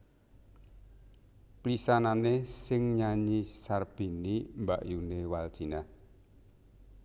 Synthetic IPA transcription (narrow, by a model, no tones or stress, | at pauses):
plisananesɪŋɲaɲisarb̥i̤nimbaʔjunewal̥ʒ̥i̤na